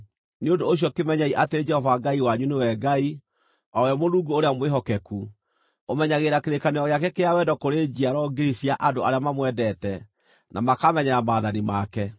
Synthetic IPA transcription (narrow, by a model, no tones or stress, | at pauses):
neondoːɕ̬ijɔkemɛɲaiʔateɾed͡ʒɛhɔvaɡaiwaɲunewɛɡai | awɛmoðuːɡuoɾeamweɦɔkɛku | omɛɲaɣeɾakeɾekanejɔɣeakɛkeawɛdɔkoɾed͡ʑiaɾɔɡiɾisiaʔadoaɾeamamwɛdɛtɛ | nʔamakamɛɲɛɾamaːðanimakɛ